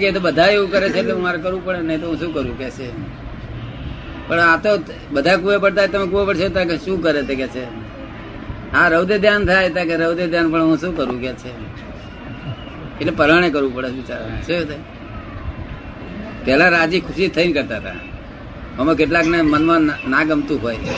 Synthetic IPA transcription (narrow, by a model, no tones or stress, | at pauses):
keet̪obəd̪ʱaeʋũkəɾet͡ʃʰeːʈlemaɾekəɾʋũpəɽenəɦĩt̪oɦũʃũkəɾʋũkɛt͡ʃʰe | pəɳat̪o | bəd̪ʱakuʋepəɽt̪aet̪əmekuʋapəɽt͡ʃʰeot̪akeʃũkəɾet̪ʰekɛt͡ʃʰe | aɾəwd̪ed̪ʱjant̪ʰajt̪ak̬eɾəʋd̪ed̪ʱjanpəɳɦũʃũkəɾʋũket͡ʃʰe | eʈlepəɾaɽ̃ek̬əɾʋũpəɽeit͡ʃaɾt͡ʃʰet̪a | pɛɦlãɾad͡ʒikʰʊʃit̪ʰəinkəɾt̪aət̪ʰa̰ | məmekeʈlaknemənmãnaɡəmt̪ũɦoj